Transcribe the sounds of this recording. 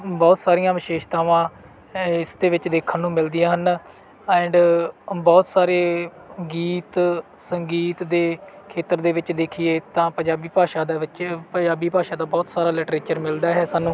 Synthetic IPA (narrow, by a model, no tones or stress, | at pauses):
bɔːt̪saːɾijãːʋɪʃeːʃt̪aːʋãː | ɪsd̪eːʋɪt͡ʃd̪eːkʰːənːũːmɪld̪ijãːɦən | ɛ̃ːɳɖbɔːt̪saːɾeː | ɡiːt̪ | səŋɡiːt̪d̪eː | kʰeːt̪əɾd̪eːʋɪt͡ʃd̪eːkʰɪeːt̪ãːpəɲd͡ʒaːbiːpaːʃaːd̪aːʋɪt͡ʃpəɲd͡ʒaːbiːpaːʃãːd̪aːbɔːt̪saːɾaːlɪʈɾeːt͡ʃəɾmɪld̪aːɦɛːsaːnũː